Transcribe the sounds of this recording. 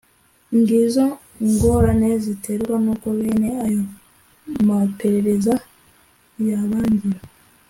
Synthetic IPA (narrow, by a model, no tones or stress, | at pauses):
ŋɡizo | ŋɡo̞ːɾane̞zitʰeɾɡwanuːkoβeːne̞ajo | mape̞ɾe̞ɾe̞za | jaβaːɲɟiɾa